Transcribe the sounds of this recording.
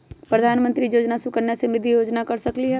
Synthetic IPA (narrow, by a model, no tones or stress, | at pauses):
pɾəd̪ʱaːnmə̃nt̪ɾijoːd͡ʒnasukəɾnasemɪd̪ʱːijoːd͡ʒnakɐɾsɐkliɦɛ